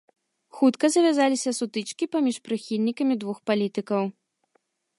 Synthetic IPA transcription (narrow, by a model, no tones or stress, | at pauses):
xut̪kɐzɐvʲazalʲisʲɐsut̪ɨt͡ʂkʲipamʲiʂpɾɨxʲilʲnʲikɐmʲid̪vuxpalʲit̪ɨkɐw